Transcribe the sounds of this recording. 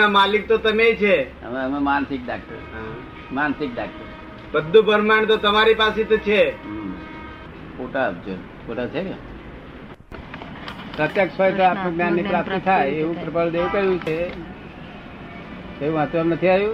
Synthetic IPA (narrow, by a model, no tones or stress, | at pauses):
amalik̚t̪ot̪əmet͡ʃʰe | ə̰məmemansɪk̚ɖak̚ʈə̰ɾɦa | mansɪk̚ɖak̚ʈəɾ | bəd̪ʱːũbʱəɾmaɳt̪ot̪əmaɾipaset̪ot͡ʃʰe | poʈaːpd͡ʒo̰ | puɾat͡ʃʰe | pɾət̪jəksəjt̪oapnũɡnjanːipɾap̚t̪it̪ʰajeʋũpɾəpəɭd̪eʋũkəɾjũt͡ʃʰe | eʋũʋət̪ʋənət̪ʰiajũ